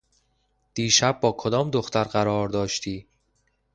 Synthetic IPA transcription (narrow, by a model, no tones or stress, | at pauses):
d̪̥iːʃæb̚ːɒːkʰod̪ɒːmd̪oxt̪æɾɢæɾɒːɾd̪ɒːʃt̪ʰiː